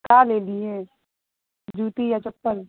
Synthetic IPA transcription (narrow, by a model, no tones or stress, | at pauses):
kaːleːliɦɛ̃ | d͡ʒʱuːt̪ijat͡ʃɐpːəɾ